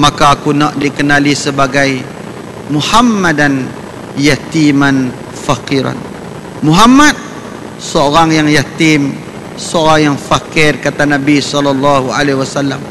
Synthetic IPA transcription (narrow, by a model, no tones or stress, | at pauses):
mãkaːkunɔʔdikənalisəbaɡaj | muhamːadan | jat̪iman | fakiɾa̰n | muɦamat̪̚ | səoɾaŋjaŋjat̪im | səoɾaŋjaŋfakɪrkat̪anabisɔlɔlːɑhua̰lewasalːam